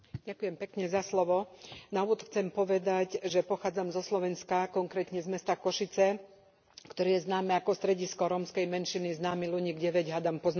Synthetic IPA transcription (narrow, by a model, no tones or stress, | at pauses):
ɟakujɛmpɛkɲɛzaslɔʋɔnauɔt̪xt͡sɛmpɔʋɛd̪aɟʒɛpɔxaːd͡zamzɔslɔʋɛnskakɔŋkɾɛːt̪ɲɛzmɛst̪akɔʃit͡sɛ | kt̪ɔɾiːjɛznaːmɛakɔst̪ɾɛɟiskɔɾɔmskɛjmɛnʃiniznaːmiluɲiːɡɟɛʋɛɟɦad̪ampɔzna